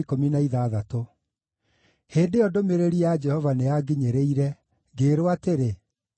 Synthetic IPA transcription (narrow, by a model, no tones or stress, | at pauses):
ikominaiðaːðato | heːndeɔdomeɾeɾiad͡ʒɛhɔvaneaɡiɲeɾeiɾɛ | ɡeɾoateɾe